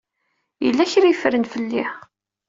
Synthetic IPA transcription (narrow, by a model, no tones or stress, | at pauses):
jə̰lːæçɾijfɾənfəlːɪħ